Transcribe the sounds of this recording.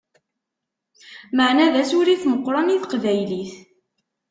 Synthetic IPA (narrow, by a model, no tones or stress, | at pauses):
məʕnæðæsʊɾiθməqːɾˤɑniθqvæjliθ